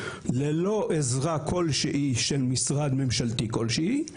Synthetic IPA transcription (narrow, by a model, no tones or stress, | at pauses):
lelo̞ʔezʁakʰo̞lʃeʔiʃelmisʁad̪me̞mʃalt̪iko̞lʃei